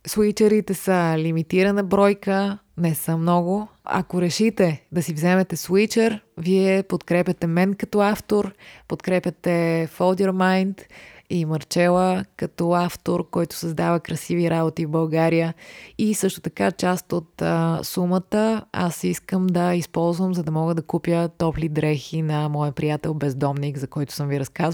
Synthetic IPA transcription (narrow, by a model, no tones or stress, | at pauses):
swit͡ʃəɾit̪ɛsəlimit̪iɾənəbɾɔjkənɛsəmnɔɡʊɐ̰koɾɛʃit̪ɛd̪ɐsivzɛmɛt̪ɛswit͡ʃəɾviɛpot̪kɾɛpʲjɐt̪ɛmɛnkɐt̪ɔaft̪oɾpot̪kɾɛpjɐt̪ɛfolˠd̪ʲɛɾmajnt̪imɐɾt͡ʃɛlˠəkɐt̪ɔaft̪oɾkɔjt̪ʊ̥sɐzd̪avəkɾɐsiviɾabot̪ivbɐlˠɡaɾijəisɤʃt̪o̥t̪ɐkat͡ʃast̪ot̪əsumət̪əa̰siskəmd̪ɐispɔlˠzvəmzɐd̪ɐmɔɡəd̪ɐkupʲjət̪ɔplid̪ɾɛxinɐmɔjəpɾijat̪ɛlˠbɛzd̪ɔmnikzɐkɔjt̪ʊ̥səmviɾɐskaz